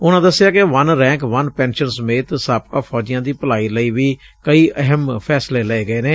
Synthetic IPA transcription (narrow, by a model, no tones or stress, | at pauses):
ʊnãːd̪əsːɪjaːkɪʋənɾɛ̃ːŋkʋənpɛ̃ːnʃənsəmeːt̪saːpkaːpʰɔːd͡ʒɪjãːd̪iːpəlaːiːləiːʋiː | kəiːʔəɦəmpʰɛːsleːləeːɡəeːneː